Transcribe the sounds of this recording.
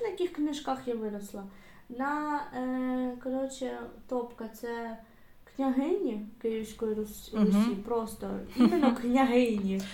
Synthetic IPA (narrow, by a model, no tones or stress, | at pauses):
nɐjɐkʲixknɪʒkaxjaʋɪɾɐslˠɐ | nɐ | kɐɾɔt͡ʃɪt̪ɔpkɐt̪sɛ | knʲɐɦɪnʲikɪiwsʲkɔjiɾɔsʲipɾɔst̪ɔ̰imenːɔknʲɐɦɪnʲi